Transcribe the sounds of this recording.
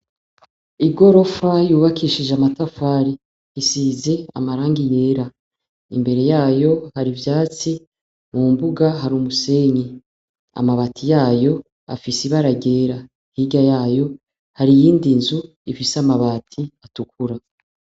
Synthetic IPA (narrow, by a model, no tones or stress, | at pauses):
iɡo̞ɾo̞fajuːβakʰiʃiʒamatafaɾi | isize̞a̰maɾaːŋɡije̞ɾa | imbe̞ɾe̞jaːjo̞haɾivjaːt͡si | mumbuɡaɦaɾumuse̞ːɲe | a̰maβaːtʰijaːjo̞ | a̰fisiβaɾaɟe̞ːɾa | hiɟajaːjo̞ | haɾijiːndinzu | ifisamaβaːtʰiatukʰuɾa